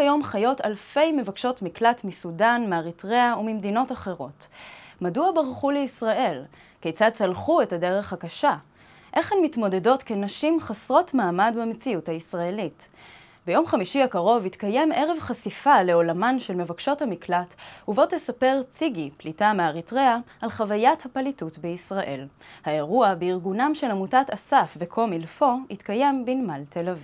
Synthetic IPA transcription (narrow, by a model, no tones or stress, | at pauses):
ajo̞mχajo̞talfe̞jme̞vakʃo̞tmiklatmisudanmeaʁitʁeaumimd̪ino̞taχe̞ʁo̞tmaduabaʁχuleisʁaʔe̞l | kejt͡sad̚t͡salχue̞tade̞ʁe̞χhakaʃa | ʔe̞χhenmitmo̞de̞do̞tkenaʃimχasʁo̞tmaːmadbemet͡siuthaisʁae̞lit | bejo̞mχamiʃiakaʁo̞vitkaje̞me̞ʁe̞vχasifale̞o̞lamanʃelme̞vakʃo̞thamiklatuvo̞thesape̞ʁt͡siɡiplitameaʁitʁeaːlχavajathapalitutbeisʁaʔe̞lhae̞ʁuabeiʁɡunamʃe̞lamutatasafvekʰo̞milfo̞itkaje̞mbinmaltʰelaviv